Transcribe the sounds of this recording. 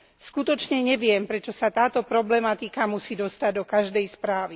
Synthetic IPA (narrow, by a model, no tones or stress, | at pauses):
skut̪ɔt͡ʃɲɛɲɛʋɪɛmpɾɛt͡ʃɔsat̪aːt̪ɔpɾɔblɛmat̪ikamusiːd̪ɔst̪aɟ̚d̪ɔkaʒd̪ɛjspɾaːʋi